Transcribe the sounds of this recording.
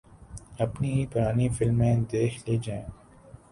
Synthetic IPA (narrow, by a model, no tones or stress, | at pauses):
ɐpniɦipʊɾaːnifɪlmẽd̪eːkʰlid͡ʒãẽ